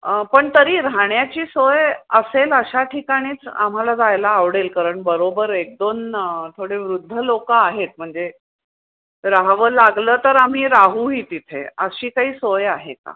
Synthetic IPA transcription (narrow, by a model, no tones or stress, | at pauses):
əpəɳt̪əɾiːɾaɳjat͡ɕiːsojəseləɕaʈʰikaɽ̃iːt͡sa̰m̤alad͡zajlaːʋɽelkəɾəɳbəɾobəɾek̚d̪ont̪ʰoɽeʋɾud̪ʱːəlokaaɦet̪̚m̤əɳd͡ze | ɾaɦʋəlaɡləːt̪əɾam̤iːɾaɦuɦiːt̪it̪ʰḛəɕiːkaɦiːsojaɦeka̰